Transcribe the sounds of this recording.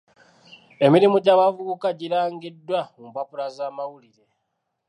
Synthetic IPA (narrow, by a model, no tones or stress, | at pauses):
e̞miɾimuɟaβavuukaɟiɾaːŋɡidːwaumpapuɾazaːmawuliɾe̞